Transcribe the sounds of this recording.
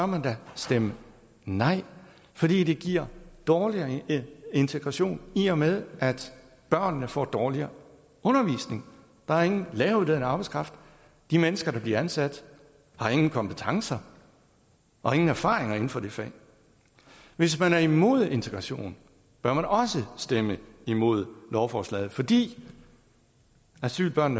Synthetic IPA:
b̥ɶɐmænd̥æsd̥emə | nɑ̈ɪ̰ | fɒ̽d̥ḭːd̥e̝ɡ̥iɐ̰d̥ɒːliɐe̝nt͡sʰeɡ̥ʁɑ̈ɕo̝̰ːniɒmeðˠʔæd̥ | b̥ɶɐ̰nːəfɒ̰ːd̥ɒːliɐː | ɔ̽nɐʋḭːsne̝ŋ | d̥ɑ̈hɑ̈e̝ŋn̩lɛːʊden̩ɑ̈ːb̥ɑɪskʰʁɑ̈fd̥ | d̥imenəsɡ̥ɐɾɑ̈b̥liɐænsæd̥ | hɑ̈e̝ŋn̩kʰɒ̽mb̥ʰət͡sʰɑ̈ŋsɐ | ʔɒ̽e̝ŋn̩æɐfɑ̰̈ːʁeŋɐe̝n̩fɒ̽d̥e̝fɛ̰ː | ʋe̝s̬mænæɐimo̝̰ð̞̰ˠe̝nt͡sʰeɡ̥ʁɑ̈ɕo̝̰ːn̩ | b̥ɶɐmænɒ̽səsd̥eməimo̝ð̞̰ˠlɒʊfɒːslɛ̰ːð̩ˠfɒ̽d̥ḭː | æsy̰ːlb̥ɶɐnːə

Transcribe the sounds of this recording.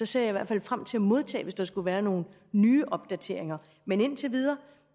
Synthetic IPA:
ɒ̽sæ̰jɑ̈iʋæɐ̰̥fælfʁam̰t͡sʰe̝læmo̝ð̞ˠt͡sʰɛ̰ːʋe̝sd̥ɑsɡ̥uʋæːɐno̝ːn̩ː | yːʔɒ̽b̥̚d̥æt͡sʰe̝ɐ̰eŋɐ | mene̝n̰t͡sʰe̝ʋið̞ˠɐː

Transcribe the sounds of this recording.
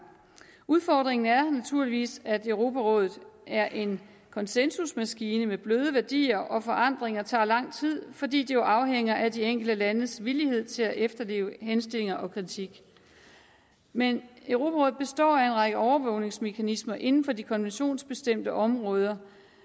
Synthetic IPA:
uð̞ˠfɒd̥ʁeŋn̩æɐnæt͡sʰuɐliʋḭːsæd̥øʊʁo̝ːpʰæʁɔ̽ːðˠð̩ˠæɐʔe̝n | kʰɒ̽nsensusmæsɡ̥iːnəmeb̥løːð̞ˠəʋæɐd̥ḭːɐʔɒ̽fɒ̽ʔɑ̈n̰d̥ʁeŋɐt͡sʰɑ̰̈ːlɑ̈ŋ̰t͡sʰið̰ˠfɒ̽dḭːd̥ijoʔɑ̈ʊɦeŋ̰ɐʔæd̥ieŋ̰ɡ̥l̩d̥əlænəsʋilihe̝ð̞̰ˠt͡sʰe̝læʔefd̥ɐle̝̰ːʊəɦensd̥e̝le̝ŋɐʔɒ̽kʰʁit͡sʰiɡ̥ | menøʊʁo̝ːpʰæʁɔ̽ːð̩ˠb̥e̝sd̥ɒ̰ːæe̝nʁɑ̈ɡ̥əʔɒʊɐʋɔʊne̝ŋsme̝kʰænismɐʔe̝nn̩fɒ̽dikʰɒ̽nʋenɕo̝̰ːnsb̥e̝sd̥em̰d̥əʔɒ̽mʁɔ̽ːð̞ˠɐ

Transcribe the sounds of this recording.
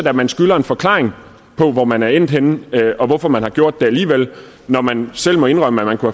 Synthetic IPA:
d̥æmænsɡ̥ylɐe̝nfɒ̽kʰlɑ̈ːʁeŋ | pʰɒ̽ʋɒmænæɐen̰d̥henʔɒ̽ʋɒfɒ̽mænhɑ̈ɡ̥jo̝ɐ̰d̥ːe̝æliːʋel̰ | nɒmænsel̰mɒ̽e̝nʁɶməæmænkʰuhæ

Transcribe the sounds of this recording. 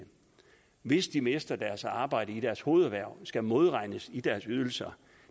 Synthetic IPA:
ʋe̝sd̥imesd̥ɐd̥æɐsɑ̈ːb̥ɑ̈ɪ̰ɾ̥əid̥æɐsho̝ːð̞̩ˠʋæɐ̰sɡ̥æmo̝ð̞ˠʁɑ̈ɪ̰nəsid̥æɐsyð̞ˠl̩sɐ

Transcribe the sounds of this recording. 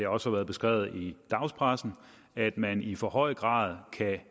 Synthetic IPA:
eɒ̽shɑʋæːɐð̩ˠbe̝sɡ̥ʁɛ̰ːʊð̞̩ˠid̥ɑ̈ʊspʰʁasn̩ | æd̥mænifɒ̽hɒ̽ɪ̰ɡ̥ʁɑ̰̈ːð̞ˠkʰæ

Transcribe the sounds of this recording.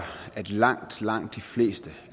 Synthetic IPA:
æd̥lɑ̈ŋ̰d̥lɑ̈ŋ̰d̥ifle̝̰ːsd̥ə

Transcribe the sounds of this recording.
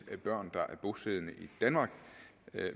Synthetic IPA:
æb̥ɶɐ̰nd̥ɑ̈ʔæɐb̥o̝seðˠnəʔid̥ænmɑ̈ːɡ̥

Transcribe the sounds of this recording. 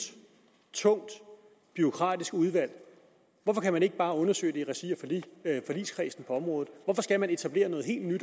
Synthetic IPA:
t͡sʰɔ̽ŋ̰d̥ | b̥yo̝kʰʁɑ̰̈ːd̥isɡ̥uð̞ˠʋæl̰ | ʋɒfɒ̽kʰæmæne̝ɡ̥əb̥ɑ̈ːɔ̽nɐsø̰ɪd̥eʁɛsiɐffɒ̽lḭskʰʁɛ̰sn̩pʰɒ̽ɒ̽mʁɔ̽ːð̩ˠʋɒfɒ̽sɡ̥æmæne̝t͡sʰæb̥le̝ːɐnɔ̽ːð̩ˠɦe̝̰ːld̥nyd̥

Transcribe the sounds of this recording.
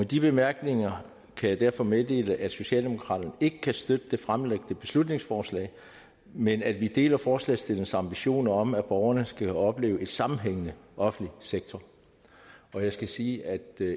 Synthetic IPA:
med̥ib̥e̝mæɐɡ̥ne̝ŋɐ | kʰæjɑ̈ɪd̥æɐ̰fɒ̽meðˠd̥e̝̰ːləʔæd̥so̝ɕɛ̰ːld̥e̝mo̝kʰʁɑ̰̈ːd̥ɐnəe̝ɡ̥əkʰæsd̥ød̥əd̥e̝fʁamleɡ̥̚n̥əb̥e̝slud̥ne̝ŋsfɒːslɛ̰ː | menæd̥ʋid̥e̝̰ːlɐfɒːslɛ̰ːsd̥e̝l̰ŋ̩sɑ̈mb̥iɕo̝̰ːnɐɒ̽mæb̥ɒʊɐnəsɡ̥æɒ̽b̥le̝̰ːʊe̝d̥sɑ̈mm̩ɦeŋ̰ənəʔɒ̽fn̩liseɡ̥̚t͡sʰɒ | ɒ̽jɑ̈ɪsɡ̥æsiːæd̥

